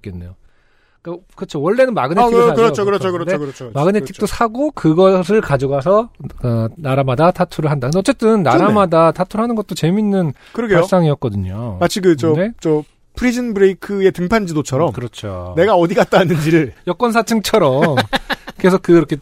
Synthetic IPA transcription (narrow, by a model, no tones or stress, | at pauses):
k͈enːe̞̰jo | k͈akɯʌt͡ɕʰowʌɭːe̞nɯnmaɡɯneiakɯɾʌokɯɾʌt͡ɕʰokɯɾdekɾʰomaɡɯnetʰi̥kt͈osʰaɡokɯɡʌs̬ʰɯɭkad͡ʑuɡoɦasʰʌkɯnaɾamadatʰatʰuɾɯɭɦandakɯndeʌt͡ɕ͈e̞t͈ɯnːaɾamadatʰatʰuɾɭɦanɯnɡʌt̚t͈ot͡ɕe̞minːɯn | kɯɾʌɡeos͈aŋiʌt̚k͈ʌdɯɲomat͡ɕʰikɯt͡ɕʌnet͡ɕʌ | pʰɯɾid͡ʑɯnbɯɾeikʰɯe̞tɯŋpʰand͡ʑidot͡ɕʰʌɾʌmkɯɾʌt͡ɕʰo̰ne̞ɡaʌdiɡat̚t͈anɯnd͡ʑiɾɯɭjʌk͈wʌns̬ʰat͡ɕʰɯŋt͡ɕʰʌɾʌmkɯe̞s̬ʰʌkɯiɾʌkʰe